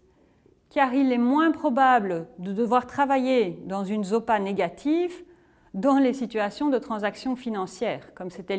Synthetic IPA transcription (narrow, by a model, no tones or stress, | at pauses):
kaʁilɛmwɛ̃pχɔbabləd̪əd̪əvwaʁt̪χavajed̪ɑ̃zynzopaneɡat̪ʰiv | d̪ɑ̃lesit̪yasjɔ̃d̪ət̪χɑ̃zaksjɔ̃finɑ̃sjɛːʁkɔmset̪ɛ